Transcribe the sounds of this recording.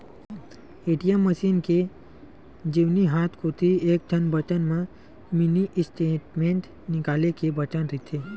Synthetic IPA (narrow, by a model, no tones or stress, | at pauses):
eːʈijəmːəʃiːnke | d͡ʒiʋniɦaːt̪ʰkot̪ʰieːk̚t̪ʰənbʱət̪ənmã | mɪniʔsʈeːʈmẽːɳʈ | nɪkaːlekebət̪ənɾɪt̪ʰe